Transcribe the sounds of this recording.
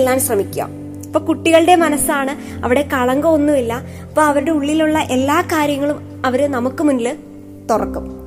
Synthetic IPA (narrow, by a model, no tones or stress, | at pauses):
lːaːnɕrɐmikʲːua̰ːm | ipːo̞ːkuʈːiɣɐɭɨɽe̞mɐnɐsaːɳɨ | ɐ̰ʋiɽe̞kɐɭɐŋɡɐonːumilːɐ | ɐpːo̞ːɐʋɐɾuɽe̞uɭːiluɭːɐʔe̞lːaːkaːɾjɐŋːɐɭum | ɐʋɐɾɨnɐmukːɨmunːilɨ | t̪urɐ̰kːum